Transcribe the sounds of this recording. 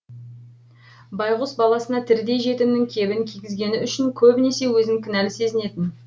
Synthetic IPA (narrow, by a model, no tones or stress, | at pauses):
bɑjʁʊsbɑlˠɑsənɑt̪ʰɪɾd̪e̞jʒe̞t̪ɪmnɪŋkʲʰe̞bɪŋkʲʰiɡʲɪzɡʲe̞nɪʏʃɪŋkʲʰɵbne̞se̞wɵzɪŋkʲʰɪnælɪse̞zɪne̞t̪ɪn